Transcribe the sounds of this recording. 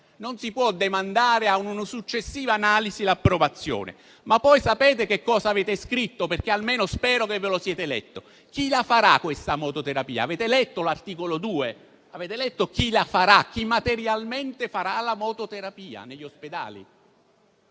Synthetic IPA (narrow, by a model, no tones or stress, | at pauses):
nonsipwɔd̪emand̪aːɾeaununosut͡ʃːesːiːvaːnaːlizilapːɾovat̪sːjo̰ːnḛ | mapːɔjsapɛːt̪ekekːɔːzaːvɛːt̪eskɾit̪ːoperk̟ealmeːnospɛːɾokevːelosjɛːt̪elɛ̰t̪ːo | k̟ilafaɾakːwest̪amɔt̪ot̪eɾapiːa̰ːvɛːt̪elɛt̪ːolart̪iːkolod̪uːe | aveːt̪elɛt̪ːok̟ilafaɾak̟ːimːat̪eɾjalment̪efaɾalamɔt̪ot̪eɾapiːa̰neʎːosped̪a̰ːlḭ